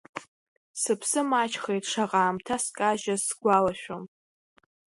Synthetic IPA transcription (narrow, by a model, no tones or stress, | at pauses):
sɨpʰsɨmat͡ʃʰχejtʰʼʂaqʼaːmtʰaskʼaʒasɡ̥ʷalaʃᶣom